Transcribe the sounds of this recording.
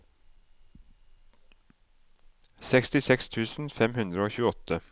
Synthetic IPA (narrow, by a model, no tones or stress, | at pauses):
sɛkst̪ɪsɛkst̪ʰʉːsn̩fɛmhʉnd̪ɾəoːçʉːəɔt̪ə